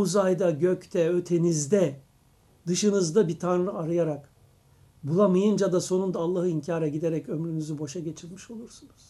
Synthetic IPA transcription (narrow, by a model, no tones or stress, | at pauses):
uzajd̪aɟøct̪ʰɛø̞t̪ʰe̞nizd̪ɛ | d̪ɯʃɯnɯzd̪abit̪ʰanɾɯaɾɯjaɾak | bulˠamajɯnd͡ʒad̪aso̞nund̪aːlˠːaɦɯiɲcʰaːɾaɟid̪eɾɛcø̞mɾynyzybo̞ʃaɟe̞t͡ʃʰilʲmiʃo̞lˠuɾsunuz̥